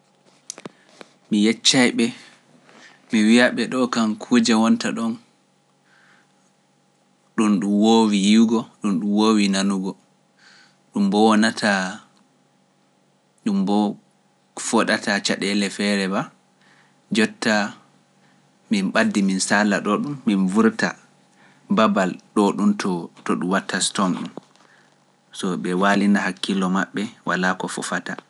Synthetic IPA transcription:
mijɛt͡ʃːajɓɛ | miwiaɓɛɗɔkankʰud͡ʒawɔntaɗɔn | ɗumɗumwowijiwɡɔɗumɗumwowinanuɡɔ | ɗumbɔwɔnatʰa | ɗumbɔ | fɔɗatʰat͡ʃaɗɛlɛfɛɾɛba | d͡ʒɔtːa | minɓadːiminsalːaɗɔɗumːinvuɾta̰ | babalɗɔɗumtɔtɔɗumwatːastɔmɗum | sɔɓɛwaːlinahakːilːɔmaɓːɛwalakɔfɔ̰fata

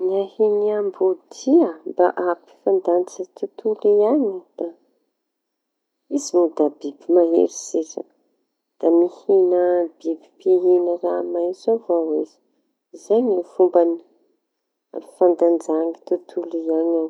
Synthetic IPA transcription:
niahiɲiambud̪iabaʔapi̥fand̪ant͡sət̪ut̪ʰuliaɲid̪̥a | izinud̪abibimaɦḛɾiseza̰ | d̪̥amihinəbibipiɦinəramajzovawezi̥ | zaɲifumbani | a̰ifand̪and͡ʒaŋit̪ut̪ʰuliaɲaw

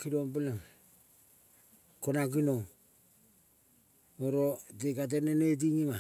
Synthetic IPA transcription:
kiɾoŋbilaŋ | konak̬inoŋ | oɾodeɡat̬enenet̬iŋima

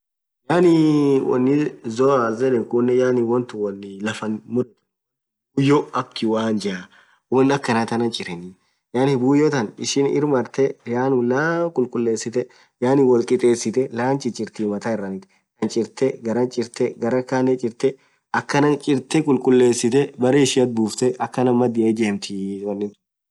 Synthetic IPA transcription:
jaːnɪwɔ̰nːɪzɔazɛlɛnkʊnːɛjaːnɪwɔnt̪ʊwɔnːɪlɐfɐnmʊdɐt̪ | bujːɔɐkːɪwaːnd͡ʒɛʔa | wɔnɐkːɐnat̪ɐnɐnt͡ʃʼɪɾɛnɪ | jaːnɪbuːjɔt̪ɐnɪ̰ʃɪnɪ̰ɾmɐɾt̪ɛjaːnʊlaːkʼʊlkʼʊlːe̞ːsːɪt̪ɛ | jaːnɪwɔlt̪ʼɪt̪ʼeːsːɪt̪ɛlaːnt͡ʃʼɪt͡ʃʼɪɾt̪ɪmɐt̪aːɪrːɐnɪt̪ɪ̥ | jɐnt͡ʃʼɪɾt̪ɛɡɐɾɐnt͡ʃʼɪɾt̪ɛɡɐɾɐkaːnɛt͡ʃʼɪɾt̪ɛ | ɐkːɐnɐnt͡ʃʼɪɾt̪ɛkʼʊlkʼʊlːe̞ːsːɪt̪ɛbɐɾeːɪʃɪɐt̪̚buːft̪ɛʔɐkːɐnɐmɐd̪ɪʔɐd͡ʒeːmt̪ʰɪwɐnːɪt̪ʊ

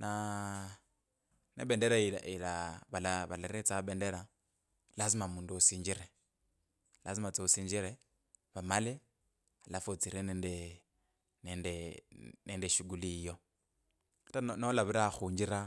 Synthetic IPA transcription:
na | nḛbendeɾailailaβalaβalaɾet͡sabendeɾa | laz̬imamuːnduosiːɲd͡ʒiɾe | lazimat͡seusiːɲd͡ʒiɾe | βamale | alafot͡siɾenende | nendenendeʃuɡulijo̞ | atanolaβiɾaxuːɲd͡ʒiɾa

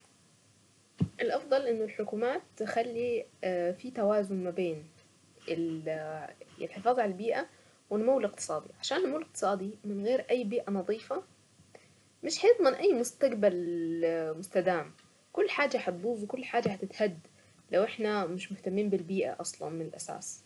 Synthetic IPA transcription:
ʔɪlʔɑfd̪ˤɑlʔɪnːʊlħʊkuːmaːt̪ːɪxalːifit̪awaːzʊnmabeːn | ɪ | ɪ̰lħɪfɑːðˤʕalalbiːʔa | wɪnmawːɪlɪq̚t̪ɨ̥sˤɑːd̪iʕaʃaːnːmaːlɪq̚t̪ɨ̥sˤɑːd̪imɪnɣeːɾʔajːbiːʔanɑðˤiːfa | mɪʃħajɪt̪ˤmɪnʔajːmʊst̪aɡbal | mʊst̪ad̪aːm | kʊlːħaːd͡ʒaħat̪̚buːzwkʊlːħaːd͡ʒːaħat̪ɪt̪had̪ː | lawʔɪħnamɪʃmʊht̪amːiːnbɪlbiːʔa̰ʔɑsˤlɑ̰nmɪnɪlʔasa̰ːs

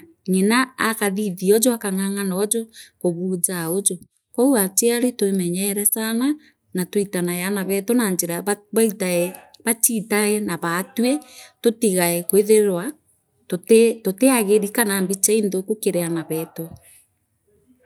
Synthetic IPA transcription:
ɲenaːkaðiðiɔd͡ʒɔakaŋaŋanɔd͡ʒɔkoβuːzaod͡ʒo | kɔuat͡ʃeaɾetwemɛɲɛːɾɛsana | natwitanajanaβɛtonand͡ʒeɾaβaitaɛβat͡ʃitaɛnaβatwetotiɣaɛkweðeɾwa | totetoteaɣeɾikanambit͡ʃaindokokeɾɛanaβɛto

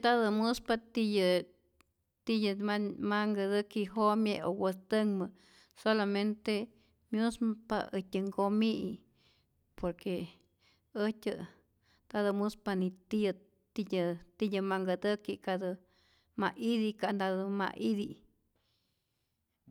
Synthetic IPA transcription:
d̪ad̪ɨmuspat̪ijə | t̪ijəamaŋɡəd̪əkiɦomjeowəst̪əŋmə | solament̪e | mjuspa̰əhtʲəŋɡomiḭ | poɾke | ətʲə | d̪̥ad̪ɨmuspanit̪ijə | t̪ijət̪ijəmaŋɡəd̪əkikad̪ɨ | maʔid̪ikand̪ad̪uma̰ʔid̪i

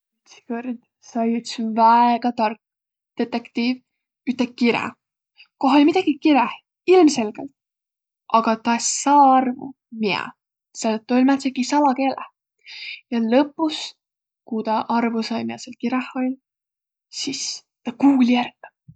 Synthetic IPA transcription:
yt̪si̥kørd̪̥ | sɑjyt̪svæeɡ̥ɑt̪ɑrk | d̪̥e̞t̪ːekt̪iːv | yt̪ːˑek̚kiɾɛ̰ | koɦolʲmid̪̥ɑɡ̥ikiɾeh | ilmse̞lɡ̥ḛlt̪̚ | ʔɑɡ̥ɑt̪ɑesɑːɑrvṵ | miɛ̰ | sɑlet̪ːˑolʲmæt̪sekisɑlɑke̞ːleh | jɑlɤpːˑus | kut̪ɑʔɑrvusɑjmiɛselkiɾɛholʲ | sis | t̪ɑkuːlʲiærɡ

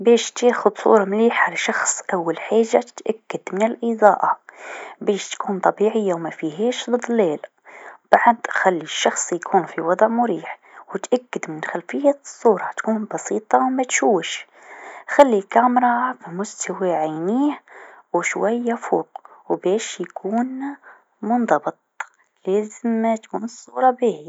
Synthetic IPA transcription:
bɛːʃt̪eːxʊd̪sˤṵːɾˤɑmliːħʕalæʃɑxsˤʔawːalħaːʒːat̪ʔakːad̪mɪnəlʔid̪ˤɑːʔɑ | beːʃt̪kuːnt̪ˤɑbiʕəjːawmæfiɦeːʃd̪ˤɨd̪əlːeːl | b̥aʕd̪xælːiʃːɑxsˤjkʰuːnfiwɑd̪ˤʕmʊɾiːħwət̪ʔækːəd̪mɪnxælfəjːasˤːuːɾˤɑt̪kuːnbɑsiːt̪ˤɑwmæt̪ʃuwʃ | xælːikæmɾˤɑfimʊst̪ʰawaʕajniːhwʃwæjːafuːqwbɛːʃjkʰuːn | mʊnd̪ˤɑbət̪̚ˤ | læːzəmːæt̪kuːnəsˤːṵːɾˤɑbiːhi

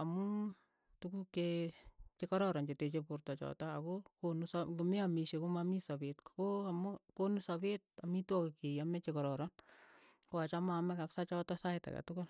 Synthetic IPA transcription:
amu | tukukːet͡ʃekɔɾɔɾɔnt͡ʃetet͡ʃepurtɔt͡ʃɔ̰taːkokonusakɪmɪamiʃekomamisabetkkoamukonusabet̚amitwɔkekejamɛt͡ʃekɔɾɔɾɔn | koat͡ʃamamɛkapsat͡ʃɔtɔsaɪta̰ka̰tʊkʊl

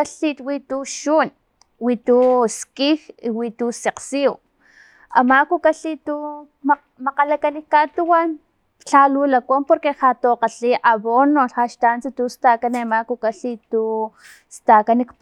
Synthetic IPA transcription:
aɬit̪wit̪uʃun | wit̪uskihiwit̪useqsiw | amakukaɬit̪u | m | maqalakanikːat̪uwan | t͡ɬalulakompoɾkehat̪oqaɬiʔaβonːoaʃt̪ant͡sit̪ust̪akanemakukaɬit̪u | st̪akanikp

